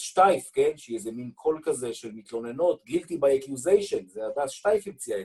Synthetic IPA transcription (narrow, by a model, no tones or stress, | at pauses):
ʃtajfkenʃejezeminkʰo̞lkazeʃelmit̪lo̞ne̞no̞tɡilt̪ibajakjuzejʃonzead̪aʃtajfimt͡siae